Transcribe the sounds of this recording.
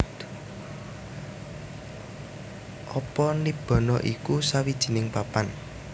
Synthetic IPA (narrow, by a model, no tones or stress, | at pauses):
ʔɔpɔnib̥ɔ̤nɔʔikusawid̥ʒ̥i̤nɪŋpapan